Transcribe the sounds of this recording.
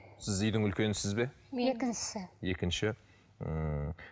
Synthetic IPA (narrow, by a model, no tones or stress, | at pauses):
sɪzʏjd̪ɪŋʏlkʲe̞nɪsɪzbe̞ | ekʲɪnʃsɪje̞kʲɪnʃɪ | ə